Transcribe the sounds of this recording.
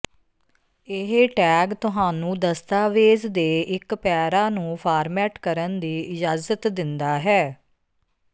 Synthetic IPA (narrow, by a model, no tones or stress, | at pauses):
ɪɦʈɛːɡt̪ʊɦaːnũːd̪əst̪aːʋeːzd̪eːɪkpɛːɾaːnũːpʰaːɾmɛːʈkəɾənd̪iːɪd͡ʒaːzət̪d̪ɪnd̪aːɦɛː